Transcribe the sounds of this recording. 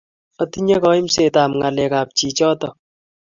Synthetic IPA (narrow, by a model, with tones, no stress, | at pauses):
ɔ˦ti˦ɲe˦kɔ˦i˦m̩se˨ta˨mŋa˨lɛ˨ka˨p̚t͡ʃi˨t͡ʃɔ˦tɔ˨